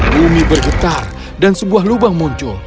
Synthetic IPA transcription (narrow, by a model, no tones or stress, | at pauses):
bumibərɡət̪ar | dansəbuaɦlubaŋmuɲt͡ʃʊl